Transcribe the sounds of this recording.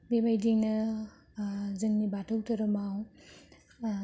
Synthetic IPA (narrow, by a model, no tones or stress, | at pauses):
bebajdiŋnɐ | zɯŋnibatʰawtʰɐɾɐmaw